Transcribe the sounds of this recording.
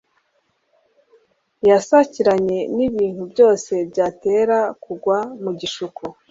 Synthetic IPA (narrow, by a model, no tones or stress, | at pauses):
jasaciɾaɲe̞niβiːn̥hubjo̞ːse̞bɟaːte̞ːɾakuɡwamuɟiʃukʰu